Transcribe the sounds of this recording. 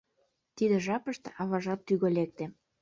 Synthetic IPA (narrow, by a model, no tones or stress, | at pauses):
t̪id̪ĕʒɑpəʃt̪ĕʔɑβɑʒɑt̪ːyɣolek̚t̪ĕ